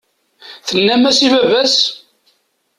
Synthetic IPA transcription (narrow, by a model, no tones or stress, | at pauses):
θənːæmæsivævæs